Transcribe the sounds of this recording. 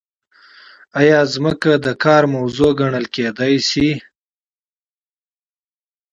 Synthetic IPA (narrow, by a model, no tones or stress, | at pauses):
ajɑːzməkad̪əkɑːɾmawzoɡaɳəlked̪ɑjsi